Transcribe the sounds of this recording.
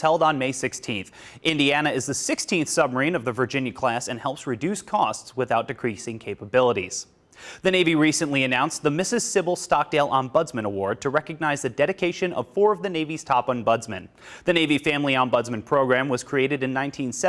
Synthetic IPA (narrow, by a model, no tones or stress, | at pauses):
hɛlˠdn̩meɪsɪkstʰĩnθ | ʔɪ̃ndiænɨɨzðɨsɪkstʰĩnθsʌb̚mə˞ĩnʌvðɨvə˞d͡ʒɪ̃njɨkʰl̥æsɨ̃nhɛlˠpsɹɨdʉskʰɔstswɨθaʊt̚d̥ɨkʰɹ̥isɪ̃ŋkʰeɪpəbɪlˠəɾḭz̥ | ðɨneɪviɹisɨ̃nʔliɨnãʊ̃nsðəmɪsɨz̥sɪbl̩ˠstɑk̚d̥eɪlˠʔə̃nbʌdzmɨ̃ñəwɔɹd̚tʰɨɹɛkɨɡ̚naɪzðɨdɛɾɨkʰeɪʃɨ̃nʌ̰v̥fɔɹʌvðɨneɪviz̥tʰɑpn̩bʌdzmɨ̰̃n | ðɨneɪvifæ̃mliə̃nbʌdzmɨ̃npʰɹ̥oʊɡɹæ̃mwʌz̥kʰɹ̥ieɪɾɨɾɨ̃nːãɪ̃ntʰĩnsɛ